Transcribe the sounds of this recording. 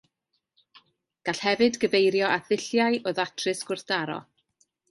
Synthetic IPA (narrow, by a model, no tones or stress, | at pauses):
ɡ̥aɬhɛvɨdɡəvejɾjɔʔaθɪɬjaɨʔoðatʰrɨsɡ̥ʊrθd̥aɾɔ̰